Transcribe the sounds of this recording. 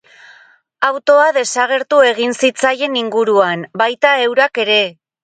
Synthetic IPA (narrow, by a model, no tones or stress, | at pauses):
awt̪o̞aðe̞saɣ̞e̞ɾt̪ue̞ɣ̞insit͡saje̞niŋɡuɾuanbajt̪ae̞wɾake̞ɾe̞